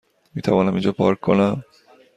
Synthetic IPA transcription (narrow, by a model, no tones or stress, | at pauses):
mit̪ʰabonamid͡ʒɔpɔ̰ɾkːɔna